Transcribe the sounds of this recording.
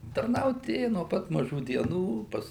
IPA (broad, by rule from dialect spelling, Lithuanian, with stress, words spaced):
tɐrˈnɐʊt ˈeːjʊ noː ˈpɐt mɐˈʒuː dʲiɛˈnuː ˈpɐs